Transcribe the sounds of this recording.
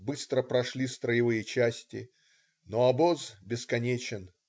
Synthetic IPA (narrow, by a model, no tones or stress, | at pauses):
bɨst̪ɾəpɾɐʂlʲist̪ɾəjɪvɨjɪt͡ɕæsʲtʲɪ̰ | noɐbozbʲɪskɐnʲet͡ɕɪn